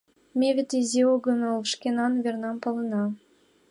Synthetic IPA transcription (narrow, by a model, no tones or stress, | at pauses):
mʲevʲet̪izʲioɡɤ̆mʲɤ̆lˠʃkʲenɑnvʲernɑmpɤ̆lˠɤ̆nɑ